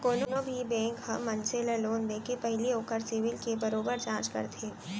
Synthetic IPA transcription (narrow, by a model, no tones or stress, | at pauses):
koːnonõbʱibɛ̃ːŋkhɐmːɐnseləloːnd̪eːkepɛɦɪlioːkəɾsɪʋɪlkebɐɾoːbəɾd͡ʒãːt͡ʃkə̰ɾt̪ʰeː